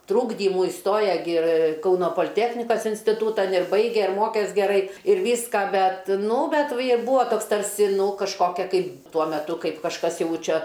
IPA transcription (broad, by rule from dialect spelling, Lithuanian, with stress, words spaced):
ˈtruːɡdʲiːmuː ˈɪstoːjɛ ɡʲɪ ɪr ˈkɐʊnoː poːlʲɪˈtʲæːxʲnʲɪkɐs ɪnʲsʲtʲɪˈtuːtɐn ɪr ˈbɐɪɡʲɛ ɪr ˈmoːkʲɛs ɡʲɛˈrɐɪ ɪr ˈʋʲiːskɐ ˈbʲɛt ˈnʊ ˈbʲɛt ʋʲɪ ɪr ˈbuːɐ ˈtoːks ˈtɐrʲsʲɪ ˈnuː kɐʃˈkoːkʲɛ kɐɪp ˈtuɔ mʲɛˈtʊ ˈkɐɪp kɐʃˈkɐs ˈjɛʊ ˈt͡ʃʲɛ